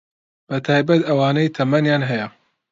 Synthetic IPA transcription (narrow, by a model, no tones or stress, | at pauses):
b̥ɐt̪ʰaːjbɐt̪ɐwaːnɐjt̪ʰɐmɐnjaːnɦɛjɐ